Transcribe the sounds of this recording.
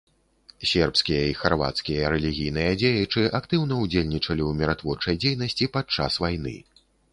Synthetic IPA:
sʲɛrpskʲijɐixarva̰t̪skʲijɐɾɛlʲiɣʲijn̪ɨjɐd͡zʲejɛt͡ʂɨʔakt̪ɨwn̪ɐwd͡zʲelʲnʲit͡ʂɐlʲiwmʲɛɾat̪vɔrt͡ʂɐjd͡zʲejnɐsʲt͡sʲipat̪̚t͡ʂa̰svajnɨ̰

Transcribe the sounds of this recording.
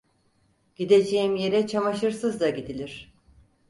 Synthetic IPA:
ɟ̥id̪e̞d͡ʒejimje̞ɾɛt͡ʃʰamaʃɯɾsɯzd̪aɟid̪ilʲiɾ̥

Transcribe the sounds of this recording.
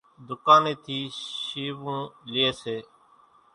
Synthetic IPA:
d̪ʊkaːneːt̪ʰiːʃiːʋũːlɪeːseː

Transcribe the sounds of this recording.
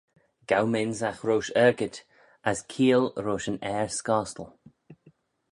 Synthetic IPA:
ɡ̥awmɪnzaxɾoːʃɛɹɡət | askʰiːəlɹoːʃənɛːɹskɑːstəlˠ

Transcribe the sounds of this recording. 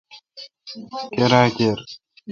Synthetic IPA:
keɾaːkeɾ

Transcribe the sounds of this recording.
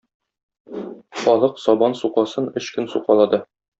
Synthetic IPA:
χɒlˠɤqsɒbɑnsuqɑsɤnɵɕkɘnsuqɑlˠɑd̪ɤ

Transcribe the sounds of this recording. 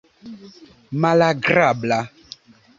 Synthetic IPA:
mãlaɡrabla

